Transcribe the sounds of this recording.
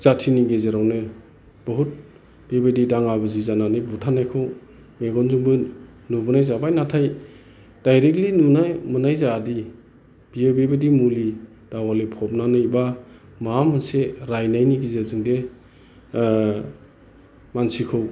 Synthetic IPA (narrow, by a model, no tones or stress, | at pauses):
z̥atʰiniɡezeɾawnɯ | b̥ɔɦut̚ | b̥ebɯdidaŋabɯzizananɯbutʰanajkʰɯw | meɡɔnzuŋbɯ | nubɯnajzabajnatʰaj | d̥ajɾek̚linunamɯnajzaːdi | b̥iebebɯdimuli | d̥awalepʰɔp̚nanɯiba | mamɯnseɾajnajniɡezezɯŋde | mansikʰɯw